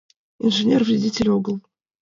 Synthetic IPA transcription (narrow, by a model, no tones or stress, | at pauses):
inʐɨnʲervɾʲɪdʲitʲɪlʲoɡəlˠ